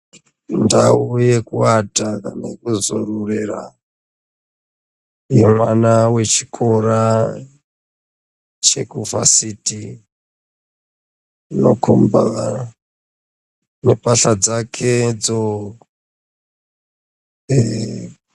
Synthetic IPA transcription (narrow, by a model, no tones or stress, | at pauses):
ndauje̞kuwatakanekuzorurera̰ | jemwanawe̞t͡ʃi̥kʰoɾa | t͡ʃe̞kuva̰siti | no̰kʰomba | ne̞paɬad͡zakʰed͡zo